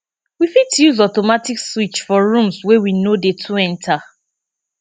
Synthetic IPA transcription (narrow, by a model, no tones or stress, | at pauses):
wifitjuzɔtomatikswit͡ʃfɔɹũmswewinodetʰuɛ̃ntʰa